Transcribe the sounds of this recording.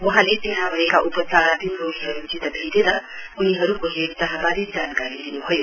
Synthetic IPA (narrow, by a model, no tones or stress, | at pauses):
wʌɦãlet̪eɦãbʱʌekaʔupʌt͡saɾat̪imroɦiɦʌɾut͡ʃit̪ʌbʱit̪eɾʌuniɦʌɾukoɦeɾt̪ʌɦãbaɾid͡zankaɾid̪inuɦojo